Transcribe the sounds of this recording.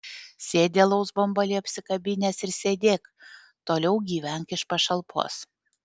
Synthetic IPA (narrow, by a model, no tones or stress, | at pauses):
sʲeːd̪ʲeːlˠɐʊsbɐɔmbɐlʲɪɐpʲsʲɪkɐbʲɪnʲɛsɪɾsʲeːd̪ʲeːk | t̪oːlʲɛʊɡʲiːʋʲɛŋkɪʃpɐʃɐlˠpʰo̰ːs